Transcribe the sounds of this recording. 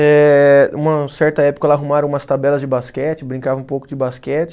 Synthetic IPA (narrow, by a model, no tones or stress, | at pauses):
ɛũmɐsɛɾt̪ɐɛpo̥kɐɛlɐaɦumaɾɐ̃ũmɐst̪abɛlɐzd͡ʒɪbaskɛt͡ʃɪbɾĩŋkavɐ̃ũpowkʊd͡ʒɪbaskɛt͡ʃɪ̥